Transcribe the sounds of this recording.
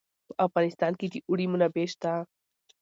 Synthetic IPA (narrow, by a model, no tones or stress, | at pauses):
pəʔafɣɑnɪst̪ɑnked̪iʔuɽimunabeʃt̪a